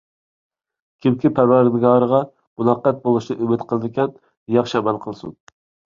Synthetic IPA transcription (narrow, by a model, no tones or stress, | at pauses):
kʲʰɪm̚kʲipʰæɾwæɾd̪ɪɡɑːɾəʁɑ | munɑqːɛt̪̚bolˠuʃnɨʔymɪt̪qʰəlˠɨd̪ɪkʲʰɛn | jɑχʃɪɛmɛlˠqʰəlˠɨsṵn